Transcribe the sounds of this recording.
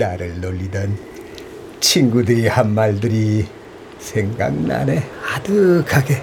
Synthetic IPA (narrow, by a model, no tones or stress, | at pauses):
daɾɯlːolːidɯn | t͡ʃʰiŋɡudɯɾihamːaldɯɾi | sʰeŋɡa̰ŋna̰neadɯkʰaɡe